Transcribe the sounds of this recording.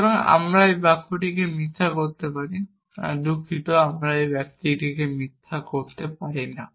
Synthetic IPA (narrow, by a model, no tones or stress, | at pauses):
kaɾɔŋa̰mɾaebakʰoʈikemit̪ʰakoɾt̪epaɾi | a̰d̪ukʰit̪ɔamɾaebjak̚t̪iʈikemit̪ʰːakoɾt̪epaɾina